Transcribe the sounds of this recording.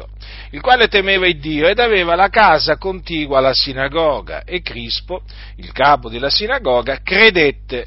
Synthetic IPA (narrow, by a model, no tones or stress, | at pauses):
ilkwaːlet̪emeːvaid̪ːiːoed̪aveːvalakaːzakont̪iːɡwalasinaɡɔːɡa̰ʔekːɾispo | ilkaːpod̪elːasinaɡɔːɡakred̪et̪ːe